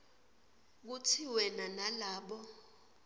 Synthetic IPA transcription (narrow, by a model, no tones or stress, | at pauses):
k̬ut͡sʰiwɛnanalaːɓɔ